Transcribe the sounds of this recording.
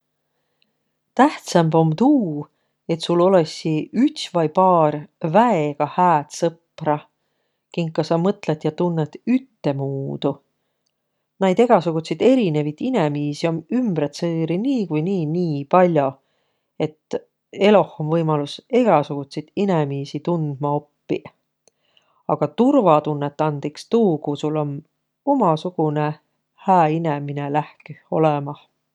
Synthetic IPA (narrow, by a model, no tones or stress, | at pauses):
t̪æht̪sɑmbo̞mt̪uː | e̞t̪sulo̞le̞siyt̪svɑjpɑːrvæeɡ̥ɑhæːt̪sɤprɑ | kiŋkkːɑsɑmɤt̪ˑlet̪jɑt̪unːet̪yt̪ːe̞muːd̪̥u | næjd̪e̞ɡ̥ɑsuɡ̥ut̪ʲsid̪e̞ɾine̞vit̪ine̞miːsiomymbɾet̪sɤːɾiniːkujniːniːpɑlʲjo̞ | e̞t̪ː | e̞lo̞homvɤjmɑluse̞ɡ̥ɑsuɡ̥ut̪ʲsit̪inemiːsit̪und̪̥̚mɑo̞pːi | ɑɡ̥ɑt̪urvɑt̪unːet̪ˑːɑnd̪̥ikst̪uːkusulo̞n | o̞mɑsuɡ̥une | hæːine̞mine̞læhko̞̰lemɑh